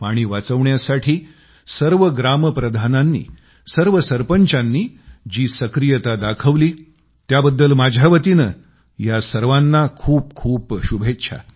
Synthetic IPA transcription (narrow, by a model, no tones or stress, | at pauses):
paɽ̃iːʋat͡səʋɳjasaʈʰiː | səɾʋəɡɾaməpɾəd̪ʱananːḭː | səɾʋəsəɾpəɲt͡ɕãnːiːd͡ʑiːsəkɾijət̪ad̪akʰəʋliː | t̪jabəd̪ːəlmad͡ʑʱjaʋət̪inə | jasəɾʋanːakʰuːp̚kʰuːpɕubʱetːɕʰa̰